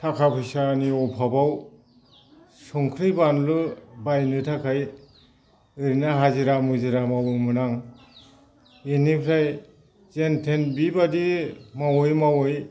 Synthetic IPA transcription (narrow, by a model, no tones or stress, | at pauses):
tʰakʰapʰɯjsaniɔpʰabaw | sɔŋkʰɾɯjbanlɯbajnɯtʰakʰaj | ɯɾinaɦaziɾamɯziɾamawɯmɯnaŋ | enipʰɾaj | zentʰenbibadimawɯjmawɯj